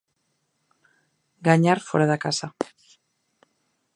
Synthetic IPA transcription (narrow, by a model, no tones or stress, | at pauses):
ɡaɲaɾfoɾaðakasa